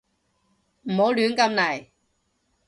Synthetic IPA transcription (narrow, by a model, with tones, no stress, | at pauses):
m̩˨˩ho˨˥wlyː˨˥nkɐ˧mnɐ˨˩j